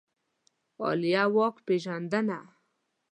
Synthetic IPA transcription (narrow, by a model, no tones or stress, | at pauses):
o̰lijawɔkpeʒand̪ana